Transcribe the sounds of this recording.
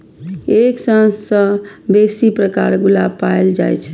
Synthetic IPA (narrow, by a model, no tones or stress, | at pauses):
eksə̃ɦsə̃besipɾəkaɾɡulab̚paeld͡ʒa̰jt͡ʃʰ